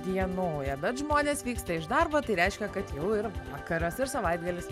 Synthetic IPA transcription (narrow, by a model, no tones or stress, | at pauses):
d̪ʲiɛnuːjɐd̪ɐt̪ʒmoːnʲeːsʋʲiːkst̪ɐɪʒd̪ɐrbɐt̪ɐɪɾʲɛɪʃʲkʲɛkɐt̪jɛʊɪɾʋɑːkɐɾɐsɪɾsɐʋɐɪd̪ɡɐlʲɪs